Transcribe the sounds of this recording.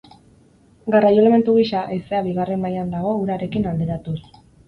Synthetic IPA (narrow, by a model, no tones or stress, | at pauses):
ɡarajole̞me̞nt̪uɣ̞iʃaʔeseaβiɣ̞are̞mːajand̪aɣ̞o̞uɾaɾe̞kinald̪eɾat̪us